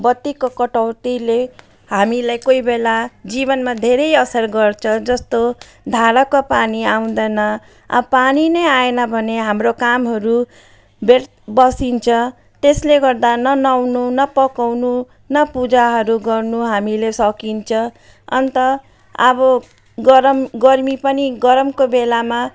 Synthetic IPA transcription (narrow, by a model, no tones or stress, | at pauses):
bʌt̪ːikokʌʈʌwt̪ile | hamilajkoibelad͡zibʌnmad̪ʱeɾʌjʌsʌrɡʌrt͡sʰʌd͡zʌst̪o | d̪ʱaɾakopaniaw̃d̪ʌnʌ | ʌpaninʌjaenʌbʱʌneɦamrokamɦʌɾu | be | bʌsint͡sʰʌ | t̪esleɡʌrd̪anʌnawnunʌpʌkawnu | nʌpud͡zaɦʌɾuɡʌrnuɦamilesʌkint͡sʰʌ | ʌ̰nt̪ʌ | ʌbʌ | ɡʌɾʌmɡʌrmipʌniɡʌɾʌmkobelama